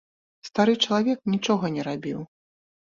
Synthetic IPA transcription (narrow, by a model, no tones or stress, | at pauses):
st̪aɾɨt͡ʂɐlˠavʲɛknʲit͡ʂɔɣɐnʲɛɾabʲiw